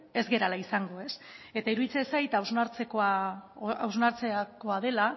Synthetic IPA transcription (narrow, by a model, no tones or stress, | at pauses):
e̞zɡe̞ɾalaisaŋɡo̞e̞se̞t̪aiɾuðit͡sesajt̪awznaɾt͡se̞koaawznaɾt͡seako̞að̞e̞la